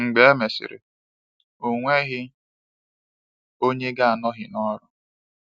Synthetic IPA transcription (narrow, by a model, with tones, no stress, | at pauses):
ŋ͡m̩˨ɡ͡be˨e˦me˨sɪ̰˨ɾɪ̰˨ | o˨ŋʷe˦ɣɪ˦ | o˦ɲe˦ɡa˦a˨nɔ˦ɦɪ˨nɔ˦ɾʊ˨